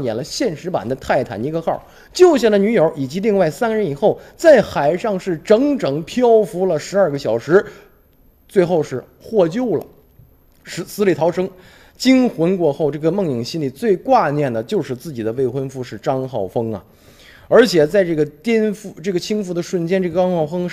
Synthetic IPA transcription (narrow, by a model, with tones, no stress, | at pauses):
ŋjɛ˨˩lə˦ɕjɛ˥˩nʂɻ̩˧˥pa̰˨˩nd̪ə˦t̪ʰa˥˩ɪt̪ʰa̰˨˩ni˧˥ɡə˧xɑ˥˩ | t͡ɕjo˥˧ʊɕjɛ˥˩nd̪ə˧ny˧˥jə˞˧˥i˨˩t͡ɕi˧˥li˥˧ŋwa˥˩ɪsa˥nɻə˧˥ni˨˩xo˥˩ʊt͡sa˥˩ɪxa˨˩ɪʂɑ˥˧ŋʂɻ̩˥˩ʈ͡ʂɤ˧˥ŋʈ͡ʂɤ˨˩ŋpʰjɑ˥ʊfu˧˥lə˨ʂɻ̩˧˥ɐ˞˥˧ɡə˧ɕjɑ˨˩ʊʂɻ̩˧˥ | t͡swe˥˧ɪxo˥˧ʊʂɻ̩˥˧ | xwɔ˥˧t͡ɕjo˥˧˩ʊlə̰˩ | ʂɻ̩˧˥sɹ̩˥li˨˧˩t̪ʰɑ˧˥ʊʂɤ˥ŋ | t͡ɕi˥ŋxwə˧˥nkwɔ˥˧xo˥˧ʊʈ͡ʂɤ˥˩ɡə˩mɤ˥˩ŋji˨˩ŋɕi˥nli˨˩t͡swe˥˧ɪkwa˥˧njɛ˥˩nd̪ə˩t͡ɕjo˥˧ʊʂɻ̩˥˧t͡sɹ̩˥˩t͡ɕi˨˩d̪ə˦we˥˩ɪxwə˥nfu˥˧ʂɻ̩˥˩ʈ͡ʂɑ˥ŋxɑ˥˩ʊfɤ˥ŋɐ̰˨ | ə˞˧˥t͡ɕʰjɛ˨˩t͡sa˥˧ɪʈ͡ʂɤ˥˩ɡə˩t̪jɛ˥nfu˥˧ʈ͡ʂɤ˥˩ɡə˩t͡ɕʰi˥ŋfu˧˥˩d̪ə˩ʂwə˥˩nt͡ɕjɛ˥nʈ͡ʂɤ˥˩ɡə˩ʈ͡ʂɑ˥ŋxɑ˥˩ʊfɤ˥ŋ